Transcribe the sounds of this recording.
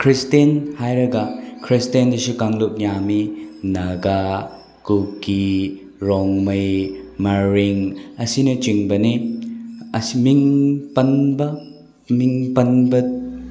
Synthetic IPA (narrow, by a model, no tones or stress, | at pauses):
kʰɾistenhajɾɐɡɐkʰɾistendɐsukaŋlup̚jaminɐɡa | kukːi | ɾoŋmɐjmɐɾiŋɐsinɐt͡ʃiŋbɐni | ɐsimiŋpɐnbɐ | miŋpɐnbɐ